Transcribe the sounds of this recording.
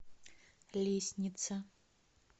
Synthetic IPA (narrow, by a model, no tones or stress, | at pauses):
lʲesʲnʲit̪sʰɐ